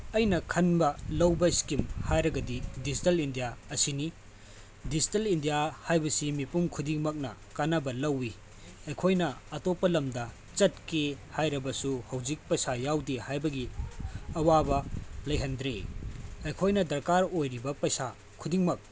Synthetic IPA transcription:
ɐjnɐkʰɐnbɐlɐwbɐskimhajɾɐɡɐdidizitɐlindijaɐsini | dizitɐlindijahajbɐsimipumkʰudiŋmɐk̚nɐ̰kanɐbɐlɐwːi | ɐjkʰojnɐːtopːɐlɐmdɐ | t͡ʃɐt̚kehajɾɐbɐsuhɐwd͡ʒik̚pɐjsajawdihajbɐɡi | ɐwabɐlɐjɦɐndɾḛɐjkʰojnɐdɐɾkaɾojɾibɐpɐjsa | kʰudiŋmɐk̚

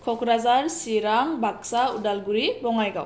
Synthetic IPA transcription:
kʰɔkʰɾazaɾsiɾaŋbak̚saudalɡuɾibɔŋajɡa̰w

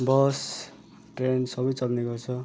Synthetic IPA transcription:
bʌs | ʈrensʌbʌjt͡sʌlneɡʌrt͡sʰʌ

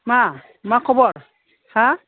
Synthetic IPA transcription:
ma | makʰɔbɔɹ | hã

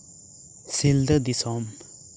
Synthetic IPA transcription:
sild̪əd̪isɔm

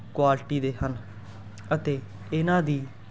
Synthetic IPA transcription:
kwaːlʈiːd̪eːhən | ət̪eː | ɪnãːd̪iː

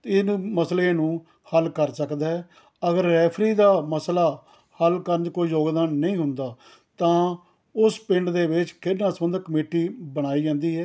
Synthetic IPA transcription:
ɪnməslẽːnũː | həlkəɾsəkd̪aːɛː | əɡəɾːɛːpʰɾiːd̪aːməslaː | həlkəɾnd͡ʒkoːiːjoːɡd̪aːnːəĩːɦʊnd̪aː | t̪ãː | ʊspɪ̃ɳɖd̪eːʋɪt͡ʃkɪnãːsəmənd̪kəmeːʈiːbəɽ̃aːiːd͡ʒãːnd̪iːɦɛː

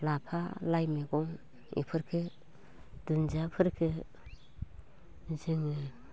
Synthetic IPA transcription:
lapʰalajmeɡɔŋ | ḭpʰɯɾkʰɯ | d̥unzapʰɯɾkʰɯ | zɯŋɯ

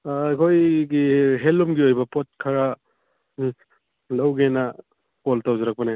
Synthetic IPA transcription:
akʰojɡiɦelumɡiojbɐpot̚kʰɐɾa | lɐwɡenɐ | koltawzɐɾɐk̚pɐne

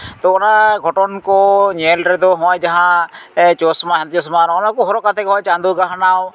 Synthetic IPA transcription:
t̪oonaɡʱɔʈɔnkoɲeːlɾed̪oɦɔ̃ːjd͡ʒɐɦãt͡ʃoːsmaɦãnt̪t͡ʃoːsmaɾonãkoɦɔɾokat̪ʰekɦɔːjt͡ʃãːnd̪uɡaɦnaw

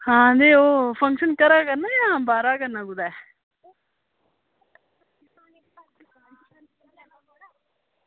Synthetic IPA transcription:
hãːɐnd̪eopʰɐŋkʃɐnkɐɾaːɡɐnːɐjãːbaːɾaːɡɐnːaːɡud̪e

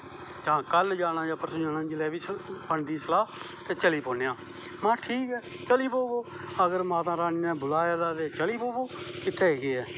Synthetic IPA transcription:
d͡ʒãːkəld͡ʒaːnãːd͡ʒaːpʰəɾsəd͡ʒaːnãːd͡ʒɪlɛːbiːpəɳd̪iːsəlaː | t̪eːt͡ʃəliːpõːnjãː | mãːʈʰiːkɛː | t͡ʃəliːpoːɡoː | əɡəɾmãːt̪ãːɾaːniːnɛ̃ːbʊlaːjaːd̪aːt̪eːt͡ʃəliːpoːɡoːkɪt̪ʰːɛːɦeːɡeːɛː

